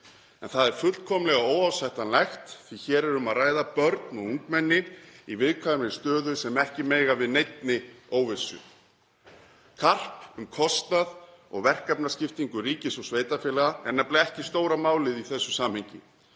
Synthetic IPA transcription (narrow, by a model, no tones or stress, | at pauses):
ɛnθaðɛɾ̥fʏl̥t̪̚kʰɔmlɛɣaoːwawsajht̪anlajxt̪θiçɛːɾɛɾʏmaðraːjðapœɾt̪nɔɣuŋkmɛnːɪivɪðkʰvamɪst̪œːðʏsɛmɛhcɪmeːjɣavɪðnejt̪nɪoːwvɪsːʏ̰ | kʰar̥pʏmkʰɔst̪naðɔ̰ɣvɛr̥kapnascɪft̪iŋkʏɾiːcɪsɔwsveːjt̪afɛːlɛɣaɛɾnɛplaɛhcɪ̥st̪oːwɾamaːwlɪðiθɛsːʏsaːmhejɲcɪ̰